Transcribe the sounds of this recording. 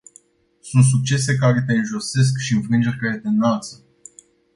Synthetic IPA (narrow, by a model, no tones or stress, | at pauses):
sunt̪s̬uk̚t͡ʃe̞se̞kaɾe̞t̪e̞ɨnʒo̞se̞s̬kʃiɨɱfɾɨnd͡ʒerʲeled̪enːalt̪sə̥